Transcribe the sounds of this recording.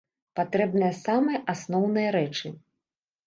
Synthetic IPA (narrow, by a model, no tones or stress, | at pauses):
pat̪ɾɛbnɨjɐsamɨjɐʔasnɔwnɨjɐɾɛt͡ʂɨ